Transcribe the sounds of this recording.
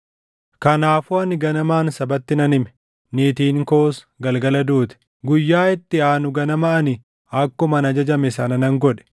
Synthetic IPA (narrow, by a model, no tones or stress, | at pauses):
kɐnaːfʊɐnɪɡɐnɐmaːnsɐbɐt̪ːɪnɐnɪmɛ̥ | niːt̪iːŋko̞ːs | ɡɐlɡɐlɐd̪uːt̪ɛ̥ | ɡʊjːaːɪt̪ːɪaːnʊɡɐnɐmɐʔɐnɪ | ɐkːʊmɐnɐd͡ʒɐd͡ʒɐmɛsɐnɐnɐŋɡɔᶑɛ̥